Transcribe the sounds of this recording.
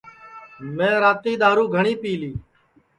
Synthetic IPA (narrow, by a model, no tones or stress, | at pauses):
mẽːɾaːt̪iːd̪aːɾũːɡʱəɳiːpiːliː